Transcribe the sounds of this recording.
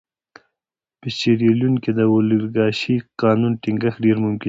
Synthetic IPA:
pət͡ʃeɾeljunked̪əwoliɾɡɑʃiqɑːnunʈiŋɡəxɖeɾmʊmkɪ

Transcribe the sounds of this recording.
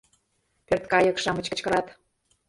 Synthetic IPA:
pørt̪kɑjɤ̆kʃɑmə̆t͡ɕkə̆t͡ɕkə̆ɾɑt̪

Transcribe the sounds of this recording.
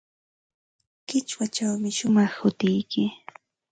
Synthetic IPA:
kɪt͡ʃwat͡ʃawmɪʃʊmɑχhʊt̪ɪjkɪ

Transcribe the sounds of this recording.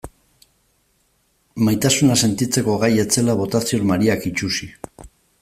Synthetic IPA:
majt̪asunase̞nt̪it͡se̞ko̞ɣaje̞t͡se̞laβo̞t̪asioɾmaɾiakit͡ʃusi

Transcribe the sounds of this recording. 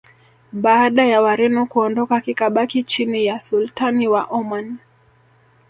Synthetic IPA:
ɓaːɗajawaɾɛnukuɔndɔkakikaɓakit͡ʃinijasultaniwaʔɔman

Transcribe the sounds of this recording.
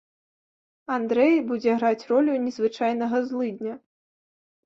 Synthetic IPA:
and̪ɾɛjbud͡zʲɛɣɾat͡sʲrɔlʲunʲɛzvɨt͡ʂajn̪ɐɣɐzlˠɨd̪ʲnʲɐ

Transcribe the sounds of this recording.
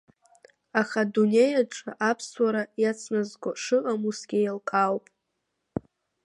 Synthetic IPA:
aχadune̞jaʈ͡ʂʰʼa̰ʔapʰswaɾajat͡sʰnazɡʷaʂɨʔʼamusɡʲɪjalqʼawpʼ

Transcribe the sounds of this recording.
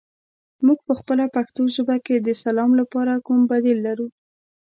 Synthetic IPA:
muɡ̚pəxpəlapaxt̪oʃʊbaked̪əsalɑmlapɑɾakumbad̪ilːaɾu

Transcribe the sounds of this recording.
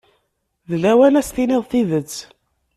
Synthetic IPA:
ðlæwænæst̪iniðˤθiðət͡sː

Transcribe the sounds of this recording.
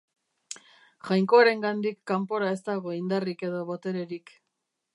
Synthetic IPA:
ʝajŋko̞aɾe̞ŋɡand̪ikːampo̞ɾae̞st̪aɣ̞o̞ind̪arike̞ðo̞βot̪e̞ɾe̞ɾik

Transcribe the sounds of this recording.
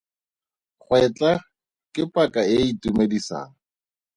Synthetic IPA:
χʰwɛt͡ɬʼa | kʼɪpʼakʼaɪitumedisa̰ːŋ̩

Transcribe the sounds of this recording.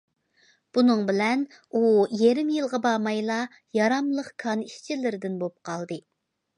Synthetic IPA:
b̥unɨŋbɪlɛn | ujeɾɪmjɨlˠʁɑbɑmɑjlˠɑ | jɑɾɑmlˠəqkʰɑniʃt͡ʃʰilɪɾɪd̪ɪnbop̚qʰɑlˠd̪ɨ

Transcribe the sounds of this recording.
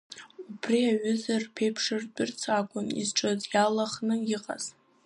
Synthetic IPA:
upʰriaɥʏzarpʰejpʰʂɨrdʷʼʊrt͡sʰakʷʼʊnḭzʈ͡ʂʼɨzjalaχnɨjɪqʼa̰z̥

